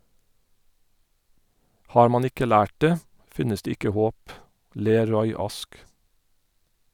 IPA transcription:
ˈhɑːɹ ˈmɑn ˈɪkə ˈlæːʈ ˈdeː ˈfɪnəs ˈdeː ˈɪkə ˈhoːp ˈleːɾ ˈɹɔʏ ˈɑsk

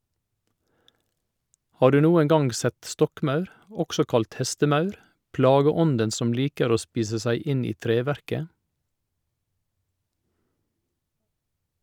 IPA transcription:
ˈhɑː ˈɖʉː ˈnuːəŋ ˈɡɑŋɡ ˈsɛt ˈstɔkˌmɑʉɾ ˈɔksɔ ˈkɑlt ˈhɛstəˌmɑʉɾ ˈplɑːɡəˌɔndən ˈsɔm ˈliːkəɾ ˈoː ˈspiːsə ˈsæɪ ˈɪn ˈiː ˈtɾeːˌʋæɾkə

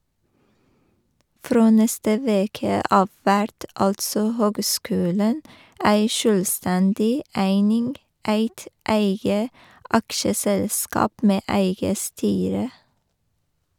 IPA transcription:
ˈfɾoː ˈnɛstə ˈʋeːkə ˈɑːʋ ˈʋæɾt ˈɑltsɔ ˈhøːɡˌskʉːlɳ̩ ˈæɪ ˈʃøːlˌstɛndɪ ˈæɪnɪnɡ ˈæɪt ˈæɪɡə ˈɑkʃəsɛlˌskɑːp ˈmeː ˈæɪɡə ˈstyːɾə

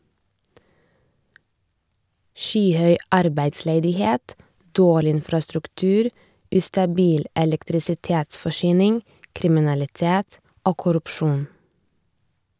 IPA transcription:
ˈʃyːˌhœʏ ˈɑɾbæɪdsleːdɪˌheːt ˈdoːɭɪ ˈɪnfɾɑstɾʉkˌtʉːɾ ˈʉːstɑˌbiːl ʔɛlɛktɾɪsɪˈteːtsfɔˌʃyːnɪŋ kɾɪmɪnɑlɪˈteːt ˈoː kʊɾʉpˈʃuːn

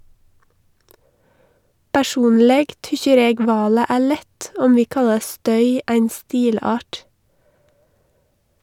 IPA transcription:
pæˈʃuːnlɛɡ ˈtʏçəɾ ˈeːɡ ˈʋɑːlə ˈæː ˈɭɛt ˈɔm ˈʋiː ˈkɑlɑɾ ˈstœʏ ˈæɪn ˈstiːˌlɑːʈ

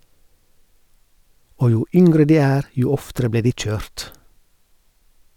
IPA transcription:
ˈoː ˈjuː ˈʏŋɡɾə ˈdiː ˈæːɾ ˈjuː ˈɔftəɾə ˈbleː ˈdiː ˈc͡çøːɾt

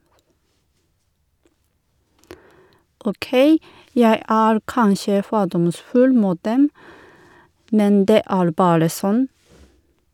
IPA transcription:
oːˈkeɪ ˈjæɪ ˈæːɾ ˈkɑnʃə ˈfoːdɔmˌsfʉl ˈmuːt ˈdɛm ˈmɛn ˈdeː ˈæːɾ ˈbɑːɾə ˈsɔn

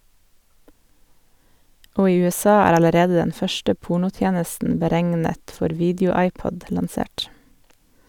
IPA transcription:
ˈoː ˈiː ʉɛˈsɑː ˈæːɾ ɑləˈɾeːd ˈdɛn ˈfœʃʈə ˈpuːɳʊˌtjeːnəsn̩ bəˈɾæŋnət ˈfɔɾ ˈʋiːdəʊˌɑɪˌpɔd lɑnˈseːʈ

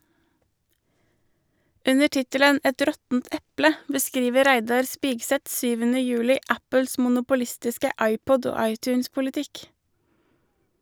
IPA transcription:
ˈʉnə ˈʈɪtələn ˈɛt ˈɾɔtn̩t ˈɛplə bəˈskɾiːʋəɾ ˈɾæɪdɑɾ ˈspɪɡsɛt ˈsyːʋənə ˈjʉːlɪ ˈʔæpəls mʊnʊpʊˈlɪstɪskə ˈʔɑɪˌpɔd ˈoː ˈɑɪtˌçʉːnspʊlɪˌtɪk

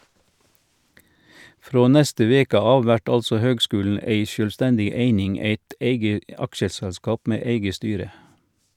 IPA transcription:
ˈfɾoː ˈnɛstə ˈʋeːkə ˈɑːʋ ˈʋæʈ ˈɑlsɔ ˈhøːɡˌskʉːln̩ ˈeɪ ʃœlˈstɛndɪ ˈeɪnɪŋ ˈeɪt ˈeɪɡə ˈɑkʃəsɛlˌskɑːp ˈmeː ˈeɪɡə ˈstyːɾə

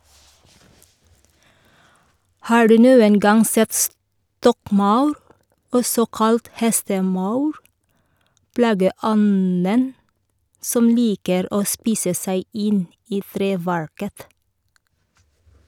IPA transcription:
ˈhɑː ˈɖʉː ˈnuːən ˈɡɑŋ ˈsɛt ˈstɔkˌmɑʉɾ ˈɔsɔ ˈkɑlt ˈhɛstəˌmɑʉɾ ˈplɑːɡəˌɔnən ˈsɔm ˈliːkəɾ ˈoː ˈspiːsə ˈsæɪ ˈɪn ˈiː ˈθɾeːˌʋæɹkət

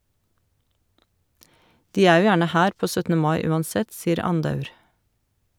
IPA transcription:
ˈdiː ˈæː ˈjuː ˈjæːɳə ˈhæːɾ ˈpoː ˈsœtnə ˈmɑɪ ˈʉːɑnˌsɛt ˈsiːɾ ˈɑndɑʉɾ

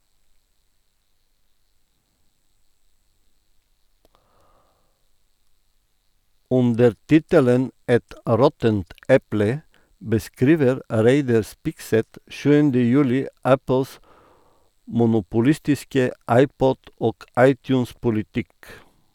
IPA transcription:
ˈʉndəɾ ˈtɪtələn ˈɛt ˈɾɔtənt ˈɛplə bəˈskɾiːʋəɾ ˈɾeɪdɑɾ ˈspɪksɛt ˈʃʉːəndə ˈjʉːlɪ ˈʔæpl̩s mʊnʊpʊˈlɪstɪskə ˈʔɑɪˌpɔd ˈoːk ˈɑɪˌtjʉːns pʊlɪˈtɪk

